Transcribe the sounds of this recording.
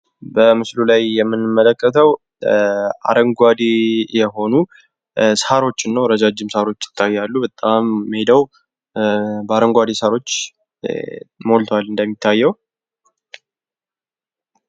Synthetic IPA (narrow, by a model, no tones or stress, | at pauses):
bəmɨslulajːɛmːɨnːɨmːələkːət̪ʰəw | ʔa̰ɾəŋɡʷad̪ejɛɦo̞nu | shaɾo̞t͡ʃːɪnːəwɾəd͡ʒad͡ʒːɪmsaɾo̞t͡ʃːɪ̥t̪ʰːajːalːubət̪ʼamːhed̪əw | bəaɾəŋɡʷad̪esaɾo̞t͡ʃː | molt̪ʰwalɨnd̪əmːit̪ʰːajːɛw